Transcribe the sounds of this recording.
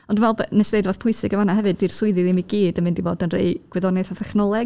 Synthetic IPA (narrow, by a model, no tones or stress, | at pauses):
ɔndunvɛlˠbnɛsnejdvɔθpʰʊɨsɨɡəvanahɛvɨdir̥sʊɨðɨðimiɡiːdənmɪndivoːdənrḛɨɡ̥wɛðɔnɛθaθɛχnɔlˠɛɡ̚